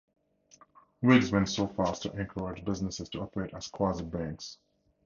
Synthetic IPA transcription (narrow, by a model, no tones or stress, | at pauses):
wiɡzwɛ̃ntsofastʰuʔɛ̃ŋkʰəɹed͡ʒbɪznəsɪz̥tʰuɔpəɹeɪtəz̥kʰw̥azət̚bæ̃ŋks